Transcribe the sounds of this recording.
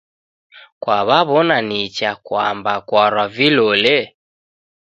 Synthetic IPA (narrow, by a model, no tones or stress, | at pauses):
kwaβaβɔnanit͡ʃakwambakwaɾwavilɔlɛ